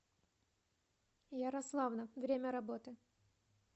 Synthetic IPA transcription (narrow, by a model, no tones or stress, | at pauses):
jaɾɐslˠavnɐvɾʲemʲəɾɐbot̪ɨ